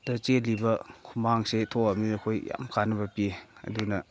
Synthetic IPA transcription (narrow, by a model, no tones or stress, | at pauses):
dɐt͡ʃelibɐkʰumaŋsetʰoɐmiɐkʰojja̰mkʰanɐbɐpiɐ̰dunɐ